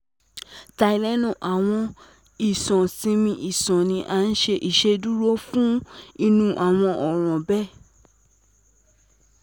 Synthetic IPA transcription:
ta˧i˨lɛ˦nũ˦˨ʔa˨w̃ɔ̃˧ | i˨sɔ̃˨sĩ˧mĩ˧˦ʔi˨sɔ̃˨nĩ˧ʔa˧˦n̩˦ʃe˧ʔi˨ʃe˧du˦ɾo˦fũ˦i˧nũ˧˦ʔa˨w̃ɔ̃˧ʔɔ˨ɾ̃ɔ̃˨bɛ˦˨

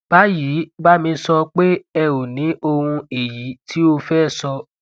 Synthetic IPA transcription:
b̥a˨˦ji˨˦ba˦mĩ˧sɔ˧k͡pe˦ɛ˧wo˨nĩ˨˦ʔo˧hũ˧e˨ji˨˦tʰi˨˦o˧fɛː˦˨sɔ˧

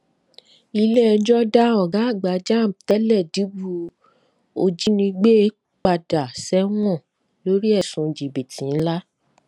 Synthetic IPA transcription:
i˧le˦ɛ˧d͡ʒɔ˦da˦ɔ˨ɡã˨˦˨ɡ͡ba˨˦d͡ʒa˦˨tɛ˨˦lɛ˦˨di˨˦bu˦˧ | o˧d͡ʒi˦nĩ˧ɡ͡be˦e˦ | k͡pa˧da˨sɛ˦w̃ɔ̃˦˨ | lo˦ɾi˦ɛ˦˨sũ˨d͡ʒi˨be˨tʰĩ˨˦n̩˦la˦

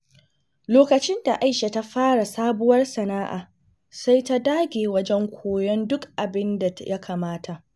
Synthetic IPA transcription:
loː˦kɐ˨t͡ʃɪ˦nda˨ʔa˦jʃe˨ta˦ɸaː˦ɽa˨saː˦bʊ˦wɐ˦rsɐ˨na˦ʔa̰ː˨ | sa˦jta˦daː˦ɡʲeː˨wɐ˦d͡ʒɛ˦ŋkʷʰoː˨jɔ˦ndʊ˦kʔa˨bɪ˦nda˨jʔa˦kʰaː˨maː˦tʰa˨ʔ

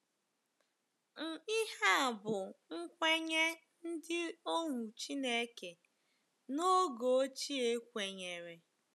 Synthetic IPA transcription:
ŋ̩˨i˦ha˦˨bʊ˨ŋ̩˦kʷe˦ɲe˦ | n̩˦dɪ˦o˦ŋʷu˨t͡ʃi˦ne˦ke˨ | no˦ɡo˨o˦t͡ʃi˦e˦kʷe˨ɲe˨ɾe˨

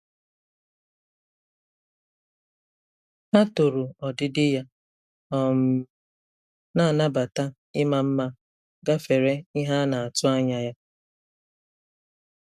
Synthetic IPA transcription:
a˦to˨ɾu˨ɔ˨dɪ˦dɪ˦ja˦ | ɔ˨m̩˨ | na˦a˨na˦ba˨ta˦ | ɪ˦ma˨m̩˦ma˦ | ɡa˦fe˨ɾe˦ɪ˦ɦa˦na˨a˨tʊ˦a˦ɲa˨ja˦

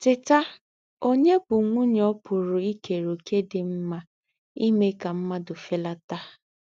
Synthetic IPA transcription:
tɪ˨ta˦ | o˦ɲe˦bʊ˨ŋʷʊ˦ɲ˦ɔ˦pʊ˨ɾʊ˨i˦ke˨ɾo˨ke˦dɪ˨m̩˦ma˦ | i˦me˦ka˨m̩˦ma˦dʊ˨fe˦la˦ta˦

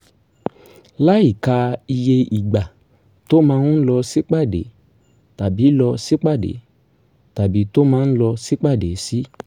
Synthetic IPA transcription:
la˦i˨ka˧i˧je˧i˨ɡ͡ba˨ | to˦mãː˧nũ˦n̩˦lɔ˧si˦k͡pa˦˨dḛ˨˦ | ta˨bi˨˦lɔ˧si˦k͡pa˦˨dḛ˨˦ | ta˨bi˨˦to˦mãː˨˦n̩˦lɔ˧si˦k͡pa˦˨de˨˦si˦

